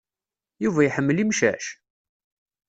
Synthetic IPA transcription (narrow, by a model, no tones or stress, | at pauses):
juvæjħəmːəlimʃæ̰ʃ